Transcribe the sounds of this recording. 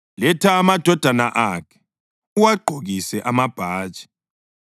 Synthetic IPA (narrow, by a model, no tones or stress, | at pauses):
lɛtʰaːmad̥ʱɔd̥ʱanaʔakʰɛ̥ | uwaɡ͡ǃʱoɣisɛʔamab̥ʱaːdt͡ʃʼi̥